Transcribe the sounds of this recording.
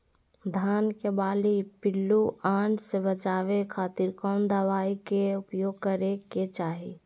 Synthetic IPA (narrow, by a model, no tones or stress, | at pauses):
d̪ʱaːnkebaːlipɪlːuãːɳɖsebət͡ʃaːʋekʰaːt̪iɾkɔːnd̪əʋaːikeʊpjoːɡ̚kəɾeket͡ʃaːɦi